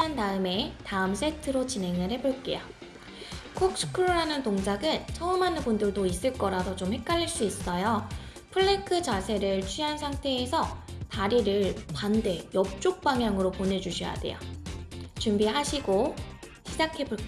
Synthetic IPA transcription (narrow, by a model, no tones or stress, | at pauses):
antaɯme̞taɯms͈e̞tʰɯɾot͡ɕine̞ŋɯɭhe̞boɭk͈e̞̰jo | kʰok̚sʰɯ̥kʰɯɾoɾanɯntoŋd͡ʑaɡɯnt͡ɕʰʌɯmɦanɯnbundɯɭdois͈ɯɭk͈ʌɾadʰot͡ɕomhe̞k͈̚aʎːiɭs͈uis͈ʌjo | pʰɯɭːekʰɯd͡ʑasʰe̞ɾɯɭt͡ɕʰɥiɦansʰaŋtʰe̞ːsʰʌtaɾiɾɯɭpande̞jʌp̚t͡ɕ͈ok̚p͈aŋɦjaŋɯɾopone̞d͡ʑuɕʰʌja̰de̞̰jo̰ | t͡ɕumbiɦaɕʰiɡoɕʰid͡ʑakʰe̞bo